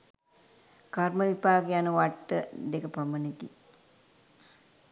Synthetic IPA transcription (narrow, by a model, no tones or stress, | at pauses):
karməʋipaːɡejanəʋaʈːəd̪ekəpɐmənek̪ḭ